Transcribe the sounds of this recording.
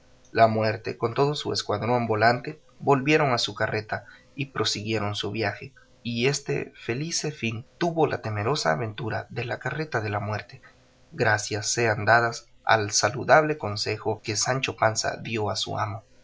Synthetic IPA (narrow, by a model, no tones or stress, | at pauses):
lamwe̞ɾt̪e̞̰ko̞nt̪o̞ðosueskwaðɾombolant̪e̞ | bo̞lbje̞ɾo̞ŋasukare̞t̪a | ipɾo̞siɣje̞ɾo̞nsuβjaxe̞ | ie̞st̪ḛfe̞lisefint̪uβo̞lʔa̰t̪e̞me̞ɾo̞saːβe̞nt̪uɾa̰ðe̞lakare̞t̪aðe̞lamwe̞ɾt̪e | ɡɾasjasːe̞and̪aðas | a̰lsaluðaβ̞le̞ko̞nse̞xo̞ke̞sant͡ʃo̞pansa̰ðjo̞asṵa̰mo